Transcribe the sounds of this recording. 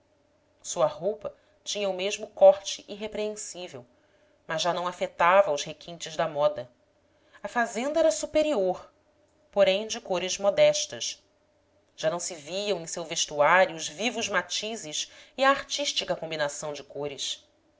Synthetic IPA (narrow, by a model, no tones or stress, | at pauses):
suɐɦowpɐ | t͡ʃĩɲɐʊmeʒmʊkɔɾt͡ʃɪʔiɦepɾeẽsivew | mɐzːanɐ̃w̃afet̪avɐʊʃhekʰĩnt͡ʃɪzd̪ɐmɔd̪ɐ | ɐfazẽnd̪ɐɛɾɐsupeɾioɾ | poɾẽj̃d͡ʒɪkoɾɪzmɔd̪ɛʃt̪ɐʃ | ʒ̥anɐ̃w̃sɪviɐ̃w̃ẽj̃sewveʃt̪uaɾjuːzvivʊzmat͡ʃizɪʃiɐːɾt͡ʃiʃt͡ʃikɐkõmbinasɐ̃w̃d͡ʒɪkoɾɪs